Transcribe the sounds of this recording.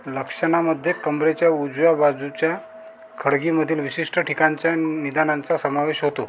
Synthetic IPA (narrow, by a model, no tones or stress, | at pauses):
ləkʂəɳ̃aməd̪ʱːjekəmbɾet͡ɕjaud͡zʋabad͡zut͡ɕja | kʰəɽɡiməd̪ʱiːlʋiɕiʂʈəʈʰikaɲt͡ɕjanid̪anãnt͡sasəmaʋeɕɦot̪o